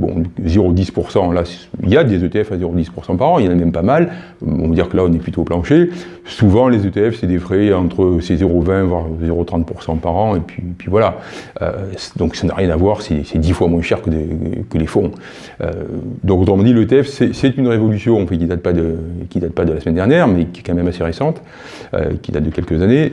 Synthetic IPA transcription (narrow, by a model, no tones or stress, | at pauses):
bɔ̰̃zeʁod̪ispuʁsɑ̃lasiljad̪ezøt̪eɛfazeʁod̪ispuʁsɑ̃paʁɑ̃ljɑ̃namɛmpamal | ɔ̰̃vad̪iʁkəlaɔ̃nɛplyt̪oplɑ̃ʃe | suvɑ̃lezøt̪eɛfsɛd̪efχeɑ̃t̪χəsezeʁovɛ̃vwaʁzeʁot̪χɑ̃t̪̚puʁsɑ̃paʁɑ̃epɥiepɥivwalaø̰sd̪ɔ̃ksanaʁjɛ̃navwaʁsɛsɛd̪ifwamwɛ̃ʃɛʁkəkəlefɔ̃ | ø̰d̪ɔ̃kot̪χəmɑ̃d̪iləøt̪eɛfsɛsɛt̪ynʁevɔlysjɔ̃ɑ̃fɛt̪kʲid̪at̪̚pad̪əkʲid̪at̪̚pad̪əlasəmɛnd̪ɛʁnjɛʁmɛkʲiɛ̥kɑ̃mɛmaseʁesɑ̃t̪ | ø̰kʲid̪at̪̚d̪əkʲɛlkəzane